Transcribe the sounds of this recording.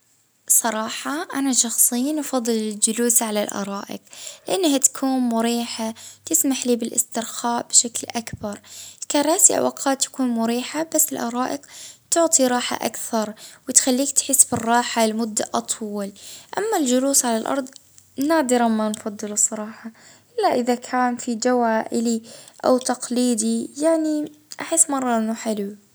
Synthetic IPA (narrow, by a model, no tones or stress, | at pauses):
sˤɑɾˤɑːħɑʔanaʃɑxsˤɪjːnʔfɑðˤːɨlɪld͡ʒʊluːsʕalalʔɑ̰ɾˤɑːʔɪ̰q̚lɪʔanːhat̪ḁkʰuːnmʊɾiːħat̪ɪsmaħliːbɪlʔɪ̰st̪ɪɾxaːʔb̥ʃaklʔakbɑɾˤkarˤaːsɪʔa̰wʔaqʰaːt̪ːḁkuːnmʊɾiːħabasːɪlʔɑɾˤɑːʔɪqt̪ʊʕt̪ˤiɾˤɑːħa̰ʔa̰kθɑɾˤwɪt̪xalːiːkt̪ħɪsːbɪrˤːɑːħalmʊd̪ːaʔɑt̪ˤwɪlʔamːald͡ʒʊluːsʕalalʔɑ̰ɾˤd̪ˤ | naːd̪ɪɾamːanfɑd̪ˤːɨlɨsˤːɑɾˤɑːħɑʔɪlːaʔɪðakʰaːnfid͡ʒawaːʔɪliʔa̰wt̪ɑqliːd̪ijaʕniʔaħɪsːmɑrˤːɑʔɪnːʊħɪlu